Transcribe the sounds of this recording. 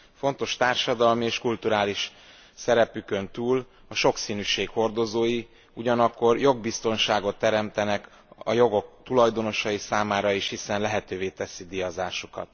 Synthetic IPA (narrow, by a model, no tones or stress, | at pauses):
fo̞nt̪o̞ʃt̪aːrʃɒd̪ɒlmieːʃkult̪uɾaːliʃ | sɛɾɛpykø̞nt̪uːl | ɒʃo̞ksiːnyːʃeːkho̞rd̪o̞zoːji | uɟɒnɒkːo̞rjo̞ɡ̚bist̪o̞nʃaːɡo̞t̪ːɛɾɛmt̪ɛnɛk | ɒ̰jo̞ɡo̞k̚t̪ulɒjd̪o̞no̞ʃɒjisaːmaːɾɒiʃhisɛnlɛɦɛt̪øːveːt̪ɛsid̪ijɒzaːʃukɒ̰t̪